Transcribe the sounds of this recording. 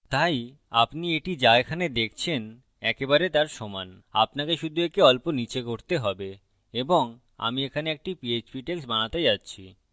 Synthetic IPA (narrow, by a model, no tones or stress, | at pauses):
t̪aj | a̰pnieʈid͡ʑaekʰaned̪ekʰt͡ɕʰen | ɛkebaɾet̪aɾʃɔman | a̰pnakeʃud̪ʱuekeɔlponit͡ɕekoɾt̪eɦɔbe | eboŋ | a̰miekʰaneek̚ʈipiet͡ɕbiʈeksbañat̪ed͡ʑatːɕʰi